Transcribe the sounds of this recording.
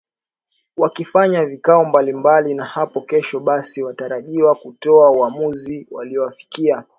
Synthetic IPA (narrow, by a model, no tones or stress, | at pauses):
wakifaɲavikaɔmbalimbalinahapɔkɛʃɔɓasiwataɾaʄiwakutɔauamuziwa̰liɔwafi̥kia